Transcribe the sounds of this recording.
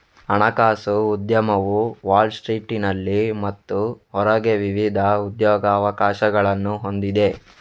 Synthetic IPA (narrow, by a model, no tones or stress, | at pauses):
ɐɳɐkaːsuːd̪jɐmɐʋuʋaːlɖsʈɾiːʈinɐlːimɐt̪ːuɦɔɾɐɡeʋiʋid̪ʱɐud̪jɔːɡɐːʋɐkaːʃɐɡɐɭɐnːuɦo̞nd̪id̪e̞